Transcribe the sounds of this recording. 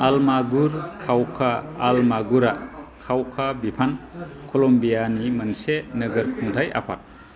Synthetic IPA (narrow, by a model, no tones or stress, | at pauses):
almaɡuɾkʰawkʰaːlmaɡuɾakʰawkʰabipʰankʰolɔmbijanimɐnsenɐɡɐɾkʰuŋdʰaja̰pʰa̰t̚